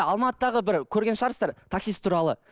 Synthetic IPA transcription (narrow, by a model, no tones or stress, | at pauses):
ɑlˠmɑt̪əd̪ɑʁəbɪɾkʲʰɵɾɡʲe̞nʃəʁɑɾsɑɾt̪ʰaksijsɪ̥t̪ʰuɾɑlˠə